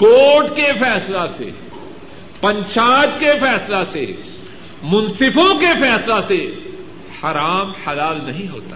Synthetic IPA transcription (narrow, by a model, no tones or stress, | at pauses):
koːʈkefɛːslasḛ | pɐ̃ɲt͡ʃaːt̪kefɛːslasḛ | mʊnsɪbõkefɛːslase | hɐɾaːmhɐlaːlnɐɦĩɦo̰ːt̪a